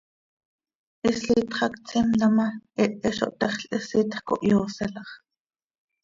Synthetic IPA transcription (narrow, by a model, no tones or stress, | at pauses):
ʔisɬiːt̪χɑkt͡simlɑmɑʔiʔɛʃo̰ʔt̪ɑχɬʔisiːt̪χko̰ʔjoːsɛlɑχ